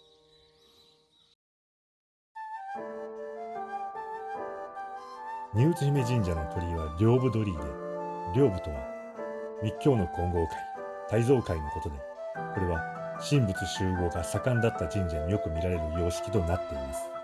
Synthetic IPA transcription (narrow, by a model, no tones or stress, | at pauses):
ɲ̟ɨːt͡sɨçime̞ʑĩɲ̟d͡ʑano̞t̪ʰo̞ɾʲiβ̞aɾʲo̞ːbɯ̟d̪o̞ɾʲiːd̪e̞ɾʲo̞ːbɯ̟t̪o̞βa | mʲikʲːo̞ːno̞kʰõ̞ŋɡo̞ːkʰai | t̪aizo̞ːkaino̞ko̞t̪o̞d̪e̞ | ko̞ɾe̞βa | ɕĩmbɯ̟t͡sɨɕɨːɡo̞ːɡasakãnd̪at̪ːad͡ʑĩɲ̟d͡ʑaɲ̟ijo̞kɯ̟mʲiɾaɾe̞ɾɯ̟jo̞ːɕi̥kʲi̥t̪o̞nat̪ːe̞imasɨ̥